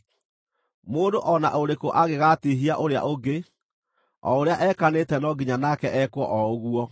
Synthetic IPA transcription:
moːndoʔɔna̰ʔoɾekoʔaɣeɣatiɦiaʔoɾea̰ʔoɡe | ɔoɾeaʔɛkaneːtɛnɔɡiɲanakɛʔɛkwɔʔɔoɣuɔ

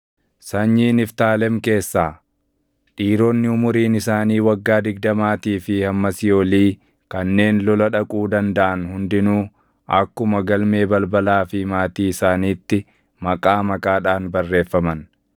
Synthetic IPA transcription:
sɐɲːiːnɪft̪aːlɛmke̞ːsːaː | ᶑiːɾo̞ːnːɪʊmʊɾiːnɪsaːniːwɐɡːaːd̪ɪɡ̚d̪ɐmaːt̪iːfɪhɐmːɐsɪjo̞ːliː | kɐnːe̞ːnlɔlɐᶑɐkʼuːd̪ɐnd̪ɐʔɐnhʊnd̪ɪnuː | ɐkːʊmɐɡɐlme̞ːbɐlbɐlaːfɪmaːt̪iːɪsaːniːt̪ːɪ | mɐkʼaːmɐkʼaːᶑaːnbɐrːe̞ːfːɐmɐn

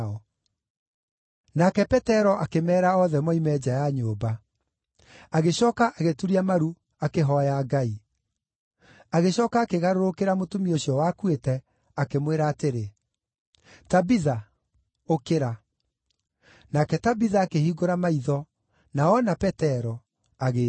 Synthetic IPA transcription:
ɔ | nakɛpɛtɛɾɔʔakemɛːɾaɔðɛmɔimɛd͡ʑajaɲoːba | aɣeɕɔːkaʔaɣetuɾiamaɾu | akeɦɔjaɡai | aɣeɕɔːkaːkeɣaɾoɾokeɾamotomioɕjɔwakwetɛ | akemweɾaːteɾe | tabiða | okeɾa | nakɛtabiðaːkehiːɣoɾamaiðɔ | naɔnapɛtɛɾɔ | aɣe

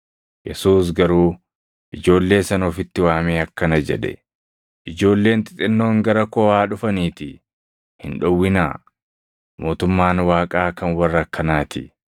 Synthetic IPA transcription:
jɛsuːs̬ɡɐɾuː | ʔɪd͡ʒo̞ːlːe̞ːsɐnɔfɪt̪ːɪwaːmeːɐkːɐnɐd͡ʒɛ̰ᶑɛ̰ | ʔɪd͡ʒo̞ːlːe̞ːnt̪ʼɪt̪ʼɪnːoːŋɡɐɾɐkoːhaːᶑʊfɐniːt̪ɪ | hɪnᶑɔwːɪna̰ː | mo̞ːt̪ʊmːaːnwaːkʼaːkɐnwɐrːɐkːɐnaːt̪ɪ

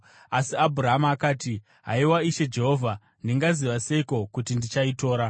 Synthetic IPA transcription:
asiabʱuɾaɦamaːkaːti | ɦa̰iwaiʃe̞d͡ʒe̞ɦo̞ːvʱa | ndiŋɡaziʋase̞iko̞kutindit͡ʃaito̞ːɾa

